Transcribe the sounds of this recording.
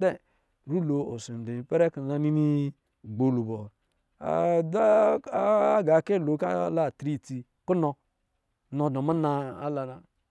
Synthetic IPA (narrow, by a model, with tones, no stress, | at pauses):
de˦ | ɾu˦lo˨o˨su˨de˨pe˦ɾe˦ki˨a˦ni˦ni˦˨ | ɡ͡bo˨lu˨bo˨ | a̰˨da˦ | ɡa˨ke˦˨lo˨˦ka̰˦la˦˨tɾi˦˨ti˨ | ku˦nɔ˨ | no˨do˨ma˦na˨a̰˦la˨na˨